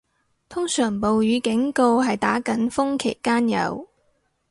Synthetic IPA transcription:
t̪ʰʊ˥ŋsœː˨˩ŋpo˨wjyː˨˧kɪ˨˥ŋko˧whɐ˨jt̪aː˨˥kɐ˨˥nfʊ˥ŋkʰḛ˨˩jkaː˥njɐ̰˨˧w

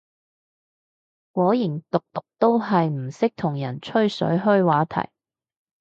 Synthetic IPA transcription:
kɔː˨˥jiː˨˩nt̪ʊ˨k̚t̪ʊ˨k̚t̪o˥wɦɐ˨jm̩˨˩sɪ˥k̚t̪ʰʊ˨˩ŋjɐ˨˩nt͡ʃʰɵ˥ɥsɵ̰˨˥ɥɦɵ˥ɥwaː˨˥t̪ʰɐ̰˨˩j

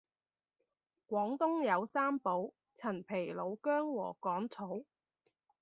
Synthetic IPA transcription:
kʷɔː˨˥ŋt̪ʊ˥ŋjɐ˨˧wsaː˥mpo˨˥w | t͡sʰɐ˨˩npʰe˨˩jlo˨˧wkœː˥ŋwɔ̰ː˨˩kɔː˨˥ŋt͡sʰo˨˥w

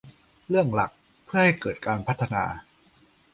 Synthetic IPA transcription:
ɾɯ˥˩əŋla̰˨˩k̚ | pʰɯ˥˩ɐha˥˩jkɤː˨˩t̪̚kaː˧npʰa˦˥t̪ʰːa˧na̰ː˧

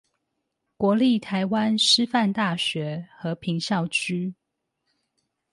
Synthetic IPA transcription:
kwɔ˧˥li˥˨t̪ʰa˧˦ɪwa˦nʂɻ̩˥fa˥˨nt̪a˥˩ɕɥɛ˨˥˦xɤ˧˦pʰi˧˥ŋɕjɑ˥˨˩ʊt͡ɕʰy˥

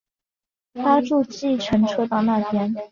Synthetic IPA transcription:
t̪ʰa˥ʈ͡ʂu˥˧t͡ɕi˥˩ʈ͡ʂʰə˧˥ŋʈ͡ʂʰɤ˥t̪ɑ˥˧ʊna˥˩p̪ʰjɛ˥n

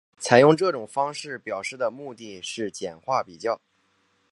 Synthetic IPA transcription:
t͡sʰa˨˩ɪjʊ˥˧ŋʈ͡ʂɤ˥˩ʈ͡ʂʊ˨˩ŋfɑ˥ŋʂɻ̩˥˩pjɑ˨˩ʊʂɻ̩˥˩d̪ə˩mu˥˧t̪i˥˧ʂɻ̩˥˩t͡ɕjɛ˨˩nxwa˥˩pi˨˩t͡ɕjɑ˥˩ʊ

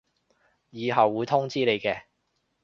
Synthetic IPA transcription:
jiː˨˧ɦɐ˨wːuː˨˧jt̪ʰʊ˥ŋt͡siː˥ne˨jkɛː˧

